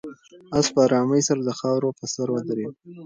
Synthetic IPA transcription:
aspəɑɾɑməjsaɾad̪əxɑwɾopəsaɾwəd̪ɾew

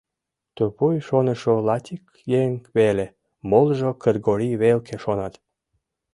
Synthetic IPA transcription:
t̪opujʃonə̆ʃolɑt̪ʲik | jeŋβele | molʒokərɡoɾiβelkʰeʃonɑt̪

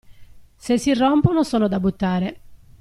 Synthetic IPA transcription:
sesːirːɔmponosɔːnod̪abut̪ːaːɾe

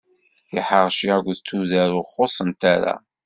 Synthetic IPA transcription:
θɪħəʁʃiæɡʷðət͡sːuðæɾʊχosˤənt̪aɾa̰

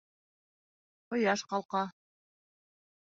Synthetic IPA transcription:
qŏjɑʃqɑlˠqɑ

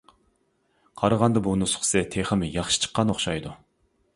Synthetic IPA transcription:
qʰɑɾɑʁɑnd̪ɑbunɨsʊ̥χsɛt̪ʰeχəmɨjɑχʃi̥t͡ʃʰə̥qːɑnoχʃɑjd̪u

